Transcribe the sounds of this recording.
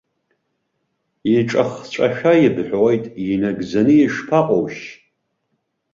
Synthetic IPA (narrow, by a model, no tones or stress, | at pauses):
iʈ͡ʂʼaχt͡ʃʷʼa̰ʃᶣajibħʷᶣwejtʼinaɡzanɨjiʂpʰaqʼowʃ